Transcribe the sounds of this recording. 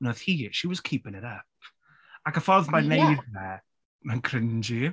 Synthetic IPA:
nɔð̥hiʃiwɔz̥kʰiːpɪ̃nɪɾəp̚ | akəfɔðmanejðɛ | mankʰr̥ɪnd͡ʒi

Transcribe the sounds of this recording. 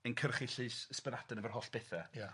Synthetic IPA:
ənkʰərχiɬɨsəspənadənəvərɦɔɬb̥ɛθɛja

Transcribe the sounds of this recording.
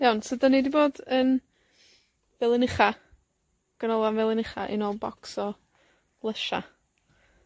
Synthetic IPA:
jawnsədanidiboːdən | vɛlˠɪnɪχa | ɡ̥ənɔlˠanvɛlˠɪnɪχa̰ʔḭnoːlˠbɔksɔ | lˠəʃa̰

